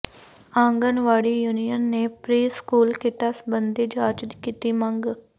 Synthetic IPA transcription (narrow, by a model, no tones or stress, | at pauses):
ãːŋɡənʋaːɽiːjuːnijənːeːpɾiːskuːlkɪʈaːsbənd̪eːd͡ʒaːt͡ʃd̪ikiːt̪iːməŋɡ